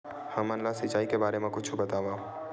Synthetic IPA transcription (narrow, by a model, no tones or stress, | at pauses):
hɐmənlasit͡ʃaːikebaːɾemẽkʊt͡ʃʰubɐt̪aːʋaː